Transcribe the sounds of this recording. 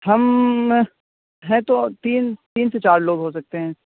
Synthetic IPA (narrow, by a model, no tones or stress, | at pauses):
ɦɐm | ɦɛ̃t̪ot̪iːnt̪iːnset͡ʃaːɾloːɡɦoːsɐk̚t̪eɦɛ̃ː